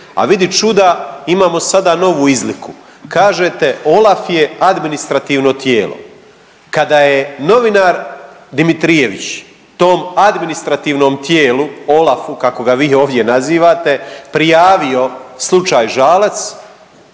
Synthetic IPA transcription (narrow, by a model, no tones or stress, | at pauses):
a̰ʋid̪it͡ʃud̪aimaːmo̞sad̪ano̞ʋuizliku | kaːʒet̪e̞o̞lafje̞ad̪minist̪ɾat̪iːʋno̞t̪jeːlo̰ | kad̪ajeno̞ʋinaɾd̪imit̪ɾije̞ʋḭt͡ɕ | t̪oːmad̪minist̪ɾat̪iːʋno̞ːmt̪jeːluo̞lafukako̞ɡaʋiːo̞ːʋd̪je̞naziːʋaːt̪e̞pɾijaːʋio̞slˠut͡ʃaːjʒaːlat̪s